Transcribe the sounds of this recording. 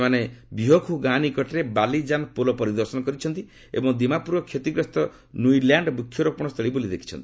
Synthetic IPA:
manebiɦɔkʰuɡanikɔʈeɾebalid͡ʒanpolɔpɔɾid̪ɔɾsɔnɔkɔɾit͡ʃʰɔnt̪i | ḛbɔŋd̪imapuɾɔkʰjet̪iɡɾɔst̪ɔ | nuiljaɳɖbukʰjɔɾɔpɔɽ̃ɔst̪ʰɔɭibolid̪ekʰi̥t͡ʃʰɔnt̪i̥i̥

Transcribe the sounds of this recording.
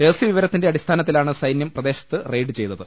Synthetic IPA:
eːsiʋiʋɐɾɐt̪ːinde̞ɐɽist̪ʰaːnɐt̪ːilaːɳɨsɐjnjɐmprɐd̪e̞ːɕɐ̥t̪ːɨrejɖɨt͡ɕe̞jt̪ːɐðɨ

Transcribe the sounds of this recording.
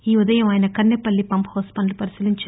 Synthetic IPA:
iːʊd̪ɐjɐmaːjɐnɐkɐɳːepːɐlːipɐmphoːspɐnlpɐɾisiliɲt͡ʃ

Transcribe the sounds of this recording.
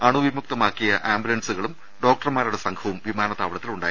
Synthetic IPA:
ɐɳuʋimuk̚t̪ɐmaːkːijɐʔaːmbulɐnsuɣɐɭum | ɖo̞ːk̚ʈɐrmaːɾuɽe̞sɐŋkʰɐʋumʋimaːnɐt̪aːʋɐɭɐt̪ːiluɳɖaːji

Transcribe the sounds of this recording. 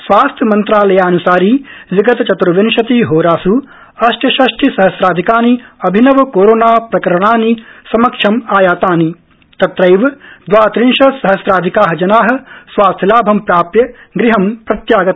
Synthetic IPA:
sʋaːst̪ʰjɐmɐnt̪ɾaːlɐjaːɐnusaːɾiːziɡɐt̪ɐt͡ʃɐt̪ɾɐʋɐnʃɐt̪iɦoːɾaːsu | ɐʃʈʰjɐʃɐʃʈʰisɐɦɐsɾaːd̪ʱikaːniɐbʱinɐʋɐkoːɾoːnaːpɾɐkɐɾɐɽ̃aːnisɐmɐkʂʰɐmaːjaːt̪aːni | t̪ɐt̪ɾɐjʋɐd̪ʋaːt̪ɾinʃɐsɐɦɐsɾaːd̪ʱikaːɦɐd͡ʒɐnaːɦɐ̆sʋaːst̪ʰjɐlaːbʱɐmpɾaːpɾjɐ | ɡɾiɦɐmpɾɐt̪jaːɡɐt̪

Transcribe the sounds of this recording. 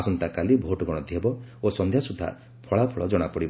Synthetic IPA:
sɔnt̪akalibʱoʈɔɡɔɽ̃ɔd̪ʱjebɔosɔnd̪ʱjasud̪ʱːa̰ | pʰɔɭapʰɔɭɔd͡ʒɔɽ̃apɔɽibɔ

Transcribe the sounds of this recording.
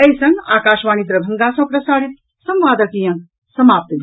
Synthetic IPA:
ɐjsɐŋɡa̰ːkaːʃʋaːnid̪ɾɐbʱɐŋɡaːsɐ̃pɾɐsaːɽit̪̚ | sɐ̃mʋaːd̪ɐkiːjɐ̃ŋɡ | sɐmaːp̚t̪ɐd̪ʱ

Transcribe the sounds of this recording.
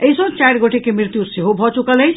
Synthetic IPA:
əisõt͡ʃajɾɡoʈʰekemɾiɾt̪juseɦobʱɔt͡ʃukələt͡ʃʰ

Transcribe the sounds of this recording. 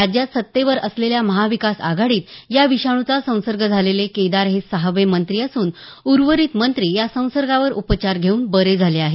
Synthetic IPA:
ɾad͡ʑjat̪sət̪ːeʋəɾəsleljaməɦaʋikasa̰ɡʱaɽiːt̪jaʋiɕaɳ̃ut͡sasə̃w̃səɾɡʱəd͡zʱaleleked̪aɾɦesəɦəʋemənt̪ɾiəsuːnuɾʋəɾiːt̪mənt̪ɾiːjasə̃w̃səɾɡaʋəɾupət͡ɕaɾɡʱeuːnbəɾed͡zʱaleaɦe

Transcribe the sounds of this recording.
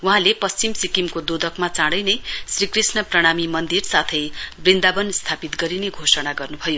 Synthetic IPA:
wuɦãlepʌst͡simsikimkod̪od̪ʱʌkmat͡saɽʌjnʌjsrikrisnʌprʌɽ̃amimʌnd̪irsat̪ʰʌjbrind̪abʌnst̪ʰapit̪ɡʌɾineɡʱosʌɽ̃aɡʌrnubʱʌjo

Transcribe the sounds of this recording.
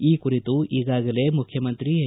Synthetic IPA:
iːkuɾit̪uʔiːɡaːɡɐle̞mukʰjɐmɐnt̪ɾi

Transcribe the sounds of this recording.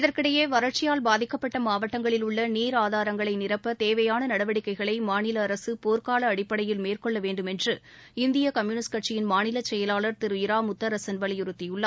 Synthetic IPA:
ɪðɐrkɪɽɐjeːʋɐɾɐʈ̚t͡ʃɪjaːlbaːðɪkːɐpːɐʈːɐmaːʋɐʈːɐŋɡɐɭɪlʊɭːɐniːɾaːðaːɾɐŋɡɐɭɐɪnɪrɐpːɐt̪eːʋɐjaːnɐnɐɽɐʋɐɽɪkːɐɪɣɐɭɐɪmaːnɪlɐːɾɐsɯpoːɾkaːlɐːɽɪpːɐɽɐjɪlmeːrkɔɭːɐʋeːɳɖɯmɛndrɯ | ɪnd̪ɪjɐkɐmjuːnɪskɐʈ̚t͡ʃɪjɪnmaːnɪlɐt͡ʃɛjɐlaːɭɐɾt̪ɪɾɯjɪɾaːmʊt̪ːɐɾɐsɐnʋɐɭɪjʊɾɯt̪ːɪjɯɭːɐː

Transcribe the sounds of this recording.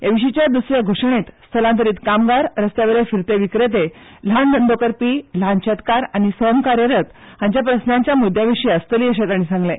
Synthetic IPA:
eʋiɕ̬it͡ɕjad̪usɾjaɡʱoʂɳ̃et̪st̪ʰəlãnt̪əɾiːt̪kamɡaɾɾəst̪jaʋeɾefiɾt̪eʋikɾet̪̬e | l̤and̪ənd̪ʱokəɾpilãnt͡ɕet̪kaɾañisəmkaɾjəɾət̪ | hãɲt͡ɕjapɾəsnãɲt͡ɕjamud̪ʱːjaʋiʂiəst̪əliːəɕ̬et̪aɽ̃isãŋɡlẽ

